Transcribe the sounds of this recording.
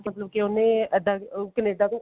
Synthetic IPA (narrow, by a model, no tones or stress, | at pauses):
kət̪ləb̚kɪonẽːəd̪aːkəneːɖãːt̪õː